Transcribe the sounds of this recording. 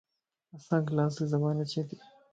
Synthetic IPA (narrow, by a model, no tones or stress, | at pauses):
ɐsãːklaːs̬izɐmaːnɐt͡ʃʰet̪i